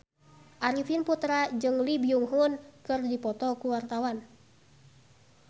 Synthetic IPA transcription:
ʔaɾifinput̪ɾad͡ʒɨŋlibiuŋɦunkɨrdipɔt̪ɔkuwart̪awan

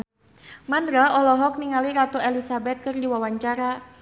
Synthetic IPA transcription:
mandɾaʔɔlɔɦɔk̚niŋaliɾat̪ɔelisabɛt̪̚kɨrdiwawaɲt͡ʃaɾa

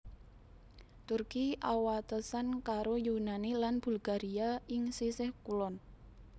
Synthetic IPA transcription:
t̪urkiʔawat̪əsankaɾojunanilanb̥ulɡ̥a̤ɾiaɪŋsisɪhkulɔn

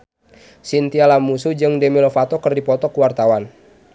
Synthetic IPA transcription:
sint̪ialamusud͡ʒɨŋdemilofat̪ɔkɨrdipɔt̪ɔkuwart̪awan

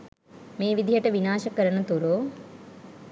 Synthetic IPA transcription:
meːʋid̪ʱijɐʈɐʋinaːʃɐkɐɾɐnɐt̪uɾoː

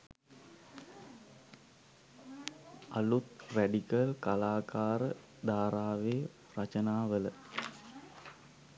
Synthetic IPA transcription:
ɐlut̪ræɖikəlkalaːkaːɾə | d̪aːɾaːʋeː | rɐt͡ʃənaːʋələ

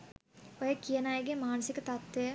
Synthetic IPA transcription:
ojəkijənajəɡemaːnəsikət̪at̪ʋejə

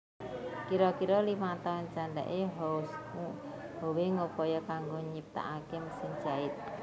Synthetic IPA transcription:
kiɾɔkiɾɔlimat̪aʊnt͡ʃaɳɖa̰ʔeɦɔs | ɦoweŋopɔjɔkaŋɡoɲip̚t̪a̰ʔakɪmsɪŋd͡ʒaɪt̪̚

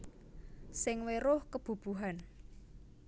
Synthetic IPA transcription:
sɪŋweɾʊhkəb̥ṳb̥ṳɦan

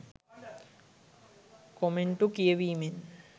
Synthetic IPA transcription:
komeɳʈukijeʋiːmen

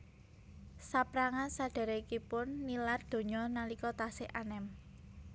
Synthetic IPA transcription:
sapɾaŋansaɖ̥a̤ɾekipʊnːilard̪̥o̤ɲɔnalikɔt̪asɪʔanɛm

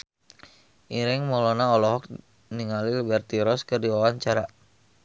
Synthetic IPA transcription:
ʔiɾɛŋmɔlɔnaɔlɔɦɔk̚ | niŋalilbɛrt̪iɾɔskərdiwawaŋt͡ʃaɾa

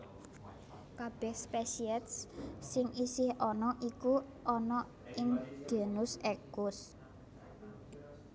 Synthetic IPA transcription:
kab̥ɛhspɛsiɛt̪sːɪŋʔisɪhɔnɔʔiku | ʔɔnɔ | ɪŋɡ̥e̤nʊsɛkʊs

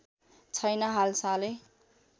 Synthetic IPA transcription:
t͡sʰʌjnʌɦalsale

